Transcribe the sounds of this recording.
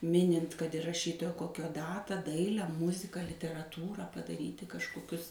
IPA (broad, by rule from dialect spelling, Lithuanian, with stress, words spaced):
ˈmʲɪnʲɪnt kɐt ɪr rɐˈʃʲiːtoːjoː ˈkoːkʲoː ˈdɑːtɑː ˈdɐɪlʲɛ ˈmʊzʲɪkɐ lʲɪtʲɛrɐˈtuːrɑː pɐdɐˈrʲiːtʲɪ kɐʃkoːˈkʲʊs